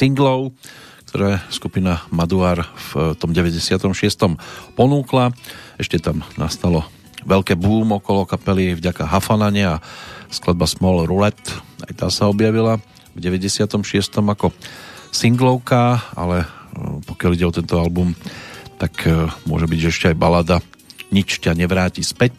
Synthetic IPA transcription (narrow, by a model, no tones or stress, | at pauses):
siŋɡlɔʊ | k̚t̪ʰɔɾaːɛskupinamad̪uaːɾft̪ɔmɟɛʋɛɟɛsɪat̪ɔmʃɪɛst̪ɔmpɔnuːklaɛʃcɛt̪amnast̪alɔ | ʋɛlkɛːbuːmɔkɔlɔkapɛlivɟakaɦafanaɲɪaasklad̪̚basmɔlɾulɛt̪a̰jt̪aːsaɔbjaʋila | vɟɛʋɛɟɛsɪat̪ɔmʃɪɛst̪ɔmakɔsiŋɡlɔʊkaa̰lɛpɔkɪaliɟɛɔt̪ɛnt̪ɔalbumt̪akmʊɔ̰ʒɛbiɟʒɛɛʃcɛajbalaːd̪a | ɲit͡ʃcaɲɛʋɾaːcispɛc